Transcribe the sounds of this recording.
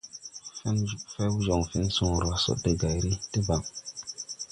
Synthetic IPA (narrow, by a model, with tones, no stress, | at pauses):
fe˦nu˦fe˦wu˦zo˨ŋfi˦nsũ˨ɾo˨a˨so̰˦de˨ɡa˨jɾi˦te˦ba˨ŋ